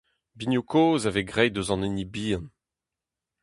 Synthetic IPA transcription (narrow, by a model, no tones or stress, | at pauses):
binjukʰoːzaveɡʁɛjd̪øzɑ̃nenibiːn